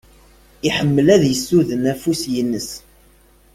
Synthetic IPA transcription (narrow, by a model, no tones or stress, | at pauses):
iħəmːəlæðjəsːuðənæfusjənːəs